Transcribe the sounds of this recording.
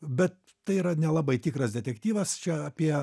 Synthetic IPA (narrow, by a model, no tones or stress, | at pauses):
bʲɛt̪̚ | t̪ɐɪiːɾɐnʲɛlˠɑbɐɪt̪ʲiːkɾɐsd̪ʲɛt̪ʲɛkt̪ʲiːʋɐst͡ʃʲɛɐːpʲiɛ